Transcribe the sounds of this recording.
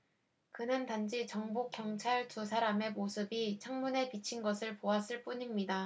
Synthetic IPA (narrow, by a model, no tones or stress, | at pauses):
kɯnɯntand͡ʑit͡ɕʌŋbok͈jʌŋt͡ɕʰaɭtus̬ʰaɾame̞mosʰɯbit͡ɕʰaŋmune̞pit͡ɕʰinɡʌsʰɯɭpoas͈ɯɭp͈uɲimɲida